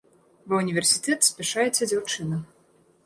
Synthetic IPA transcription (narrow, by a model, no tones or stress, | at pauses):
vɨunʲivʲɛrsʲit̪ɛt̪sʲpʲɛʂajɛt͡sʲɛd͡zʲawt͡ʂɨnɐ